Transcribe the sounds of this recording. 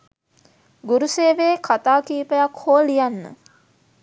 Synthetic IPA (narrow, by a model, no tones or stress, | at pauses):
ɡuɾuseːʋeːkʰat̪aːkiːpəjakhoːlijanːə̰